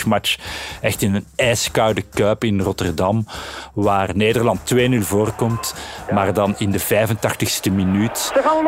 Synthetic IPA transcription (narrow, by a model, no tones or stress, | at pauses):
mat͡ʃɛxtɪnənɛːskawdəkœːpɪnrɔtərdɑmʋaːrneːdərlɑntːweːnylˠvoːrkɔmtmaːrdɑnɪndəvɛːvəntɑxtəxstəminyːt